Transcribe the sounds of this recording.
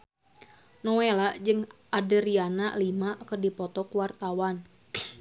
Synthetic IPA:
nɔwelaʔd͡ʒɨŋ | adəɾianaʔlimakɨrdipɔt̪ɔkuwart̪awan

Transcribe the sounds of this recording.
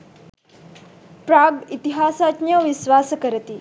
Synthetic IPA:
pɾaɡit̪iɦasat̪njəʋisʋasəkəɾət̪i

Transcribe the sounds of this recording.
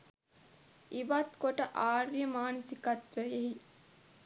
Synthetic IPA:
iʋat̪koʈəʔaːɾjəmaːnisikat̪ʋəeɦi

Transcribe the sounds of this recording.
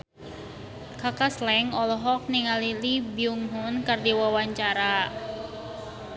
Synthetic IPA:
kakaslɛŋɔlɔɦɔk̚niŋalilibiuŋɦʊnkardiwawaɲt͡ʃaɾa

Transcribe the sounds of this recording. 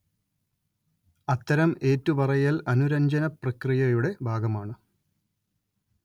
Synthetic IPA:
ɐt̪ːɐɾɐme̞ːtːuʋɐrɐjɐlɐnuɾɐɲd͡ʑɐnɐprɐkrijɐjuɽe̞bʱaːɡɐmaːɳɨ

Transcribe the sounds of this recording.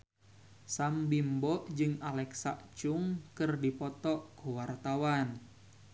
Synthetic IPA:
sambimbɔʔd͡ʒɨŋalɛksa̰ʔt͡ʃʊŋkɨrdipɔt̪ɔʔkuwart̪awan

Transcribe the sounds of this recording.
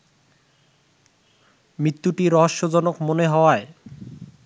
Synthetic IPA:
mɾit̪ːuʈiɾɔɦoʃːod͡ʑɔnokmoneɦɔoae

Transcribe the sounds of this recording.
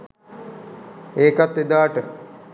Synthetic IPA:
eːkat̪ːed̪aːʈə

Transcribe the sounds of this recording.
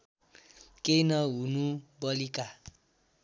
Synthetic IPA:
keinʌɦunubʌlika

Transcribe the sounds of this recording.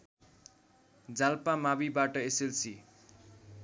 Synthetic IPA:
d͡zalpamabibaʈʌeselsi

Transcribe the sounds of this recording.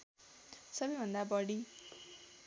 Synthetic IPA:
sʌbʌjbʱʌnd̪abʌɽi

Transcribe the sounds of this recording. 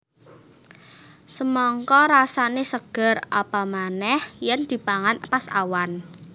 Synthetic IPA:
səmɔŋkɔɾasanesəɡ̥ə̤ra̰pamanɛhjɛnd̪̥i̤paŋanpasa̰wan

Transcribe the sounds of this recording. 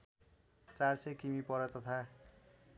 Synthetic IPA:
t͡saɾsekimipɔɾat̪ɔt̪ʰa

